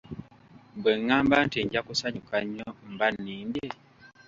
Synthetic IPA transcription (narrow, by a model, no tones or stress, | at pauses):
mbweŋːaːmbanteɲɟakusaɲukaɲːombanːiːmbje